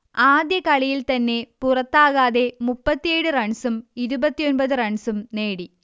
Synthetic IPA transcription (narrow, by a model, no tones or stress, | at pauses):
aːd̪jɐkɐɭijilt̪ɐnːe̞purɐt̪ːaːɣaːðe̞mupːɐt̪ːijeːɽɨrɐɳsumiɾubɐt̪ːijonbɐðɨrɐɳsumne̞ːɽi